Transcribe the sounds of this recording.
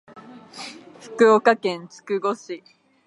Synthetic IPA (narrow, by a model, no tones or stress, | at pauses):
ɸɯ̟̥kɯ̟okakẽ̞nt͡sɨ̥kɯ̟ɡo̞ɕi